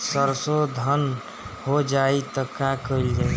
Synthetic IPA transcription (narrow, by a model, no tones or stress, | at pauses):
səɾsod̪ʱən | hod͡ʒait̪əkakəild͡ʒaːi